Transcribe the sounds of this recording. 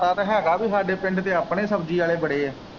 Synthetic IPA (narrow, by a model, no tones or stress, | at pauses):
aːt̪eːɦɛ̃ːɡaːbiːɦaːɾɖepɛ̃ɳɖt̪eːəːpɳeːsəbd͡ʒiːaːleːbəɽeːɛː